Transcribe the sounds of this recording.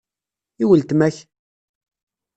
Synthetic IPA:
iwəlt̪mæç

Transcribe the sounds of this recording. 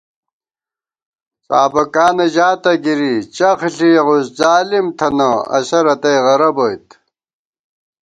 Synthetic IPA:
saːbɐkaːnɐʑaːt̪ɐɡiɾit͡ɕɐxɬiʁuszaːlimt̪ʰɐnɐɐ̰ɕɐɾɐt̪ɐjʁɐɾɐbojt̪

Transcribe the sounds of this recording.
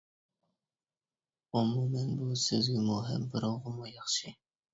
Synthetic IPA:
ʊmumɛnbusɪzɡʲɛmuɦɪ̰mbɪɾɑwʁəmujɑχʃi

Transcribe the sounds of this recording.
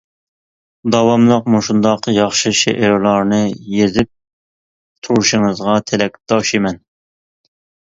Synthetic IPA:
d̪ɑwɑmlˠəqmuʃund̪ɑqjɑχʃɨʃḛʔeɾlˠɑɾnɨjezɪp̚ | t̪ʰuɾuʃɨŋɨzʁɑt̪ʰelɛk̚ʲd̪ɑʃimɛn

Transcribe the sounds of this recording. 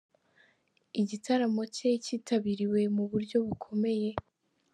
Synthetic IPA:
iɟitʰaɾamo̞ceciːtʰaβiɾiwe̞muβuɾɟo̞βukʰo̞me̞je̞

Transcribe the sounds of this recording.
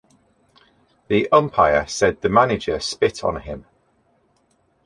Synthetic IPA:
ðiʔʌ̃mpʰaɪəsɛd̪̚ðəmanɪd͡ʒəspɪtʰn̩ɪ̃m

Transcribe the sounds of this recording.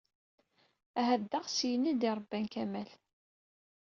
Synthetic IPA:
æɦæðd̪aʁsjənid̪iɾˤəbːænkæmæl

